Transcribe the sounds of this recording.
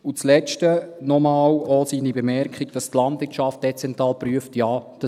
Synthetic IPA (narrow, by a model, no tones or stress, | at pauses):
ut͡slɛʃtənɔmɑːwɔsinibəmɛɾkχiɡd̥ɑstlɑndʋɪt͡ʃɑft̚d̥ɛt͡sɛntɾɑːlpɾyəftjaːd̥ɑ